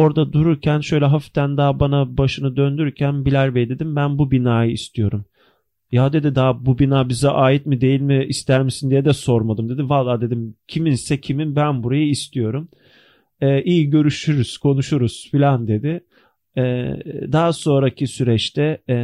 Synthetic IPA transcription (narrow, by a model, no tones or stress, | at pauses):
o̞ɾd̪ad̪uɾuɾcʰænʃø̞jlʲɛɦaft̪ʰænd̪aɦbanabaʃɯnɯd̪ønd̪yyɾcʰænbilʲæɾbɛjlʲed̪imbænbubinaːjɯist̪ʰijo̞ɾum | jad̪e̞d̪id̪abubinaːbizɛʔaːjit̪mid̪e̞jilʲmɪːst̪ʰæɾmisind̪ijɛd̪ɛso̞ɾmad̪ɯmd̪e̞d̪ivalˠːaːd̪e̞d̪imcʰiminsɛcʰiminbænbuɾajɯist̪ʰijo̞ɾum | ɛːʔijiɟø̞ɾyʃyɾyz̥kʰo̞nuʃuɾuz̥filʲand̪e̞d̪ɪ | ɛːd̪aaso̞nɾacʰisyɾɛt͡ʃt̪ʰɛ